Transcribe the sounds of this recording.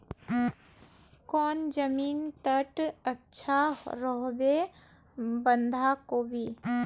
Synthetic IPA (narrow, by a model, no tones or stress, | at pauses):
kɔːnd͡ʒəmiːnt̪əʈətːʃʰaɾɔɦbe | bə̃nd̪ʱakobʱiː